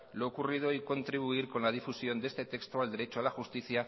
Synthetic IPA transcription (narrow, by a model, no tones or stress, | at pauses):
lo̞ːkurið̞o̞iko̞nt̪ɾiβ̞uiɾko̞nlað̞ifusjo̞nd̪e̞st̪e̞t̪e̞kst̪oald̪e̞ɾe̞t͡ʃoalaxust̪iθja